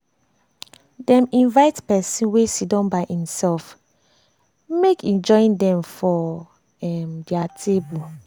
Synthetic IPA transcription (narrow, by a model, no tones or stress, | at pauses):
dɛ̃mĩnvaɪtpɛsĩnwesidɔ̃nbaʔĩmsɛlf | mekĩnd͡ʒɔĩndɛ̃mfɔ | ɛmdɛatʰebu